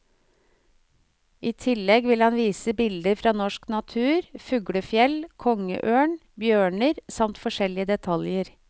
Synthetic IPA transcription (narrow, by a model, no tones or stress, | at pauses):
ʔiːt̪ʰɪlːɛɡʋɪlhɑnʋiːsəbɪld̪əɾfɾɑːnɔʂknɑt̪ʰʉːɾfʉɡɽəfjɛlkʰɔŋə̰ʔøːɳ | bjøːɳəɾsɑmt̪fɔʂɛlɪəd̪ɛt̪ʰɑljəɾ